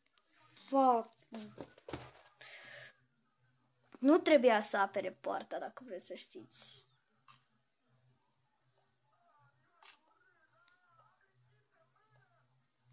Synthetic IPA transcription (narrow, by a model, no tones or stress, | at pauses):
va | nut̪ɾe̞bujasəape̞ɾepoa̰rt̪ad̪akəvɾe̞t̪sʲsəʃt̪it̪sʲ